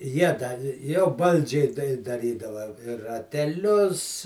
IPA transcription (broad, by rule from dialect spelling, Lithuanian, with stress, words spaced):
ˈjiɛ dɐ jɛʊ ˈbɐlʲd͡ʒʲɛɪ dɐɪ dɐˈrʲiːdɐʋɐ ɪ rɐtʲɛˈlʲʊs